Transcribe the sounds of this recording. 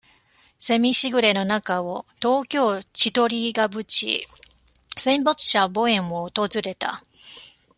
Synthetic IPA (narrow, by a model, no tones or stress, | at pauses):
se̞mʲiɕiɡɯ̟ɾe̞no̞nakaot̪o̞ːkʲo̞ːt͡ɕit̪o̞ɾʲiɡabɯ̟t͡ɕḭ | sẽ̞mbot͡sɨ̥ɕabo̞ẽ̞mːoːt̪o̞zɨɾe̞t̪a̰